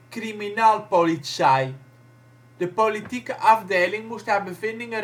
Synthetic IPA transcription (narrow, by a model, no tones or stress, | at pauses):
kriminaːlˠpolitsɛj | d̥əpolitikəʔɑvdejlɪŋmustɦaːɹbəvɪndɪŋə